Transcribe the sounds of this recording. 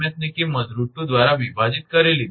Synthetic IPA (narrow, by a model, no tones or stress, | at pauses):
jət̪̚nikiməd̪ɾuʈ̪ːud̪ʋaɾaʋibʱad͡ʑit̪̚kəɾeliː